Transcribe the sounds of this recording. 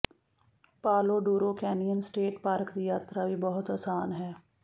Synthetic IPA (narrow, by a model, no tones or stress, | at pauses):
paːloːɖuːɾoːkɛːnijənsʈeːʈpaːɾkd̪iːjaːt̪ɾaːʋiːbɔɦʊt̪aːsaːnɦɛː